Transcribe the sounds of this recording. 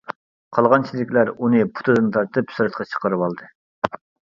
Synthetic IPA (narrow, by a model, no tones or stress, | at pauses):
qʰɑlˠʁɑnt͡ʃʰilɪkʲlæɾunɨpʰu̥t̪ʰɨd̪ɨnt̪ʰɑɾt̪ʰɨpsuɾɨt̪̚qʰɑt͡ʃʰə̥qəɾɨwɑlˠd̪ɨ